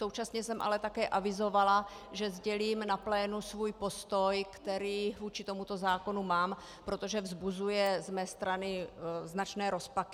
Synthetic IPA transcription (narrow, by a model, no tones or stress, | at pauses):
sowt͡ʃasɲɛsɛmʔa̰lɛt̪akɛːʔavɪzo̞vala | ʒɛzɟɛliːmnaplɛːnusvujpo̞st̪ojkt̪ɛɾiːvuːt͡ʃɪt̪o̞mut̪o̞zaːko̞numaːm | pɾo̞t̪o̞ʒɛvzbuzujɛzmɛːst̪ɾanɪznat͡ʃnɛːɾo̞spak